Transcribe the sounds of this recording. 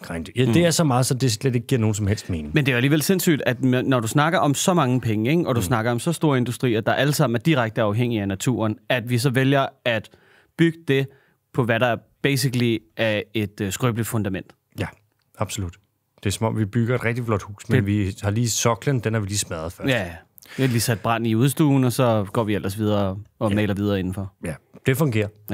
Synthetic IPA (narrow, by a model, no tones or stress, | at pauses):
ɡ̥ʁand̥jæd̥e̝æɐsɒ̽mɑ̈ːð̩ˠsɒ̽d̥e̝sled̥e̝ɡ̥̚ɡiɐ̰noːn̩sɒ̽mhel̰sd̥me̝ːnɪŋmend̥e̝ææliːʋelse̝nsy̰ːd̥æd̥mnɒɾusnɑ̈ɡ̥ɐʔɒ̽msɒ̽mɑ̈ŋəpʰeŋəeɡʔɒ̽d̥usnɑ̈ɡ̥ɐɒ̽msɒ̽sd̥o̝ːɐe̝nd̥usd̥ʁḭːɐd̥ɑ̈ʔæləsɑ̈m̰n̩æɐd̥iʁaɡ̥̚d̥əɑ̈ʊɦeŋ̰iænæt͡sʰṵːɐnæd̥ʋis̬ɒ̽ʋeljɐæd̥ | b̥yɡ̥əd̥e̝ | pʰɒ̽ʋæɾɑ̈æɐ | b̥ḛːs̬iɡ̥əliæe̝d̥sɡ̥ʁœːb̥ləfɔ̽nd̥æmen̰d̥ | jæ | ɑ̈b̥solud̥ | d̥eɐsɒ̽mɒ̽mʋib̥yɡ̥ɐe̝d̥ʁɛɡ̥d̥iflɒ̽d̥hṵːsmenʋihɑ̈liːsɒɡ̥lənd̥enhɑ̈ʋiliːsmæð̩ˠfɶɐæ | ʋiliːsæd̥̚b̥ʁɑn̰niuðˠsd̥uːn̩ɒ̽sɒ̽ɡ̥ɒ̰ːʋiel̰ʔɐsʋið̞ˠɐːɒ̽mɛːlɐʋið̞ˠɐːe̝nn̩fɒ̽d̥e̝fɔ̽ŋɡ̥e̝̰ːɐ